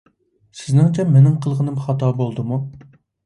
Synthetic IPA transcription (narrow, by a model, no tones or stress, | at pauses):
sɪznɪŋt͡ʃʰɛmenɪŋqʰəlˠʁənɨmχɑt̪ɑːbolˠd̪ɨmu